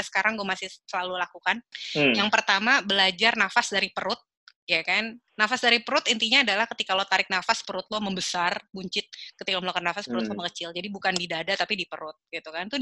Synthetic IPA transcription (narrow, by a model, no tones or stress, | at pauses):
sə̥kaɾaŋɡuamasɪhsəlalulakukanjaŋpərt̪amabəlad͡ʒarnafasdaɾipəɾʊt̪̚ | jakannafasdaɾipəɾʊt̪int̪iɲaːdalahkət̪ikalot̪aɾɪk̚nafaspəɾʊt̪̚loməmbəsarbuɲt͡ʃɪt̪̚kət̪ikaməlokarnafaspəɾʊt̪̚samakət͡ʃɪld͡ʒadibukandidadat̪apidipəɾʊt̪̚ɡ̥it̪ukant̪u